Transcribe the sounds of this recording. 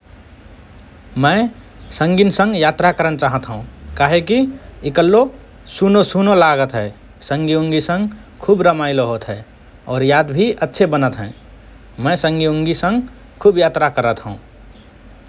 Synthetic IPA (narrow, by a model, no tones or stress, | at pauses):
mə̃ɪ | sə̃ŋɡinsə̃ŋɡjat̪ɾakəɾənt͡ʃaɦət̪ɦəũkaɦekiikəlːo | sunosunolaɡət̪ɦɛ | sə̃ŋɡiũŋɡisə̃ŋɡkʰuːbɾəmaɪloɦot̪ɦɛ | ɔːɾjad̪bʱiʔətːʃʰebənət̪ɦɛ̃ | mə̃sə̃ŋɡiuŋɡisə̃ŋɡ | kʰubjat̪ɾakəɾət̪ɦə̃ũ